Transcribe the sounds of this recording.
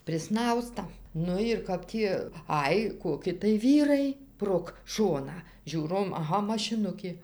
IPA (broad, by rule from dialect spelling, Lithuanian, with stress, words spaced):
pʲrʲɪˈsnɐʊstɐ ˈnʊ ɪr ˈkɐp tʲiː ˈɐj koːˈkʲɪ tɐɪ ˈʋʲiːrɐɪ proːk ˈʃoːnɑː ˈʒʲuːroːm ɐˈɣɐ mɐʃʲɪˈnʊkʲeː